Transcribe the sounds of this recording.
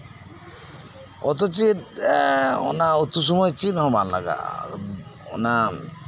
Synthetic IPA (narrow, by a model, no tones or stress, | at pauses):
ɔt̪̬ɔt͡ʃiɾ | ɔ̰naot̪us̬ɔmɔjt͡ʃinɦɔ̃banla̰ɡa̰ | ɔ̰na